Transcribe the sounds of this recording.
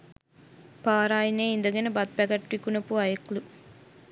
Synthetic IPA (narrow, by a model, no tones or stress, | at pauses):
paːɾaːjineːind̪əɡenəbɐt̪̚pæɡɐʈːʋikunəpuajəklu